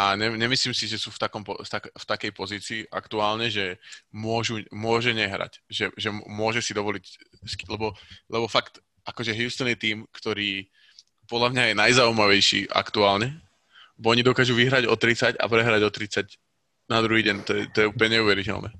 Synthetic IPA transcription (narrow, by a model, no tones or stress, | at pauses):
aɲɛɲɛmisliːmsiʒɛsuːft̪akɔmpɔ̰t̪akft̪akɛjpɔziːt͡siːʔa̰kt̪uaːlɲɛʒɛmʊɔʒumʊɔʒɛɲɛɦɾa̰cʒɛʒɛmʊɔʒɛsid̪ɔʋɔlicsklɛbɔlɛbɔfakt̪ | ʔakɔʒɛɦjust̪ənɛt̪iːmkt̪ɔɾiː | pɔd̪lʎamɲajɛnajzaumaʋɛjʃḭːʔa̰kt̪uaːlɲɛ | bɔɔɲid̪ɔkaːʒuʋiɦɾaɟɔt̪ɾit͡saɟa̰pɾɛɦɾaɟɔt̪ɾit͡sac | nad̪ɾuɦiːɟɛnt̪ɔjɛt̪ɔjɛupl̩ɲɛɲɛuʋɛɾicɛ̰lnʔɛ̰ː